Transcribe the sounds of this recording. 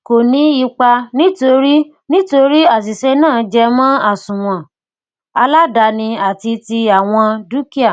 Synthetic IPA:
ko˨nĩ˨˦i˧k͡pa˧nĩ˦to˧ɾi˦ | nĩ˦to˧ɾi˦a˦˨s̬i˨sɛ˧˦nãː˦˨d͡ʒɛ˧mã˦a˦˨sũ˨w̃ɔ̃˨ | a˧la˦da˧nĩ˧a˨ti˧ti˧a˨w̃ɔ̃˧du˦ki˦a˦˨

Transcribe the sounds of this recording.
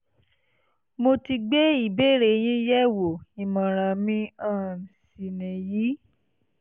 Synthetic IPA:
mo˧ti˧ɡ͡be˦i˦˨be˦ɾe˨j̃ĩ˦jɛ˦wo˨i˨mã˨ɾ̃ã˨mĩ˧ã˦˨si˨nɛ̃˨ji˨˦

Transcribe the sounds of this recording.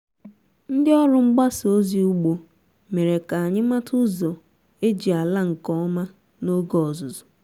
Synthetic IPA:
n̩˦dɪ˦ɔ˦lʊ˦ŋ͡m̩˦ɡ͡ba˦so˦zi˨u˦ɡ͡bo˨ | me˨ɾe˨ka˨a˨ɲɪ˦ma˦tʊ˦zo˨ | e˦d͡ʒi˨a˨la˦ŋ̩˨kɔ˦ɔ˦ma˦ | no˦ɡɔ˨ɔ˨zʊ˨zʊ̥˨

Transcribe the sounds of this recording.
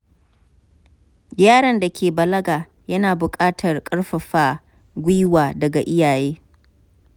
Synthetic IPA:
jʲaː˦ɽɐ˨nda˨kʲʰeː˨bɐ˨lɐ˦ɡaː˨ | jɐ˦naː˨bʊ˨kʼaː˦tʰɐ˨rkʼɐ˦ɽɸɐ˨ɸaː˦ | ɡʷʊ˦jwaː˨dɐ˨ɡa˨ʔɪ˦jaː˨jeː˦

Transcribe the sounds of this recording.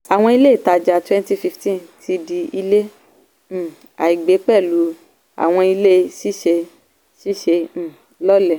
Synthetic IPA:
a˨w̃ɔ̃˧i˧le˦i˦˨ta˧˨d͡ʒa˧˨twɛ̃˦n˦ti˦fi˧ftĩ˦ti˧di˧i˧lẽ˦˨ | a̰˨i˨ɡ͡be˨˦k͡pɛ˦˨lu˨˦ | a̰˨w̃ɔ̃˧i˧le˦˧si˦ʃe˧ | ʃi˦ʃẽ˧˦˨ | lɔ˦lɛ˦˨

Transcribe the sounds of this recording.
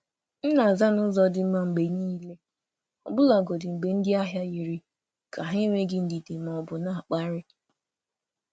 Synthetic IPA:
n̩˦na˨za˦nʊ˦zɔ˦dɪ˨˦ma˦ŋ͡m̩˨ɡ͡be˨niː˦le˦ | ɔ˨bʊ˦la˨ɡo˨dɪ˨ŋ͡m̩˨ɡ͡be˨n̩˦dɪ˦a˦ɦja˦ji˨ɾi˦ | kʰa˨ɦi˦i˦ŋʷe˦ɡɪ˦n̩˦di˨dɪ˨m˨ɔ˨bʊ˨na˦˨a˨k͡pa˦ɾɪ˦

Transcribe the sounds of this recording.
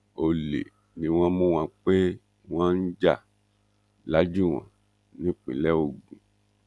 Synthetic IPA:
o˨le˨ | nĩ˨˦w̃ɔ̃˧˦mũ˦w̃ã˧k͡pe˦ | w̃ɔ̃˦n̩˦d͡ʒa˦˨ | la˨˦d͡ʒu˦˨w̃ɔ̰̃˨ | nĩ˨˦k͡pĩ˨˦lɛ˦o˦˨ɡ͡bũ˨

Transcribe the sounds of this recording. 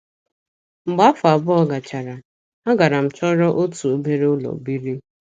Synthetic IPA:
ŋ͡m̩˨ɡ͡ba˦fʊ˨a˨bʊ˦ɔ˦ɡa˨t͡ʃa˨ɾa˨ | a˦ɡa˨ɾa˨m̩˨t͡ʃɔ˦ɾɔ˦ʔo˦tu˨o˦me˦ɾe˦ʊ˦lɔ̰˨bi˦ɾi˦

